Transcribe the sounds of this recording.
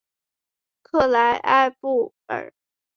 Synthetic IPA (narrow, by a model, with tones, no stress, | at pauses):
kʰɤ˥˩la˧˥ɪʔa̰˥˧ɪpu˥˩ | ə̰˨˩˦